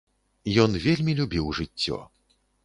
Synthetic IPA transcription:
jɔnvʲelʲmʲilʲubʲiwʐɨt͡st͡sʲːɔ̰

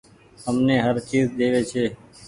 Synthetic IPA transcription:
ɦəmneːɦəɾt͡ʃiːzɗ̪eːʋeːt͡ʃʰeː

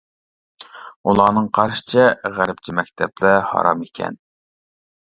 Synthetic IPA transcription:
ulˠɑːnɨŋqʰɑɾʃɨ̥t͡ʃʰɛʁæɾpt͡ʃʰimɛk̚ʲt̪ʰɛplɪhɑ̰ːɾɑmikʲʰɛ̰n

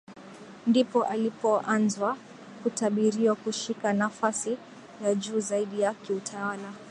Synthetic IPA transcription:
ndipɔʔalipɔʔanzwa | kutaɓiɾiwakuʃikanafasi | jaʄuːzaiɗijakiutʰawala

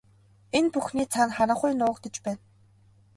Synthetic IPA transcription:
enpuxniːt͡sʰanχaɾə̆ɴχʊjnʊːkt̪ĕt͡ɕpæːn

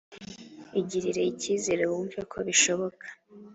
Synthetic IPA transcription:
iɟiɾiɾeiciːzeɾewumvekʰo̞βiʃo̞βo̞kʰḁ

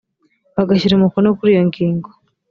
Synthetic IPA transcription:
βaɡaʃiɾemukonokuɾijoŋɡiːŋɡo

